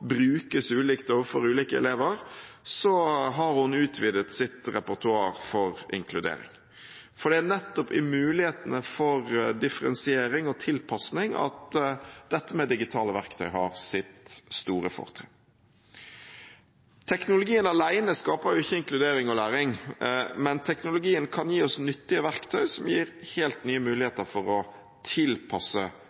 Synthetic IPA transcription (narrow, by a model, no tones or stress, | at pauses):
bɾʉːkəsʉːliːkt̪oːʋəfɔɾʉːliːkəɛ̰leːʋəɾsɔɦɑɾhʊnʉːt̪ʰʋiːd̪ət̪sɪt̪ɾɛpʊʁt̪ʰʉɑːɾfɔɾɪ̰ŋkʰlʉd̪ḛːɾɪ̰ŋ | fɔɖ̪ɛnɛt̪ːɔpɪmʉːlɪheːt̪ənəfɔɾd̪ɪfəɾɛ̰nsɪeːɾɪŋɔt̪ʰɪlpʰɑsnɪŋɑ̰t̪d̪ɛt̪ːəmɛd̪ɪɡɪt̪ʰɑːləʋæʁkt̪ʰœʏhɑ̰ʁsɪt̪st̪uːɾəfɔ̰ʁt̪ʰɾɛ̰ː | t̪ʰɛknʊlʊɡiːənɑlæɪnəskɑːpəʁjʊɪçːəɪŋklʉd̪eːɾɪŋɔlæːɾɪŋmɛnt̪ʰɛknʊlʊɡiːənkʰɑnjiːɔsnʏt̪ːɪəʋæɾkt̪ʰœʏsɔmjiːɾheːlt̪nyːəmʉːlɪheːt̪əɾfɔɾɔ | t̪ʰɪlpʰɑsə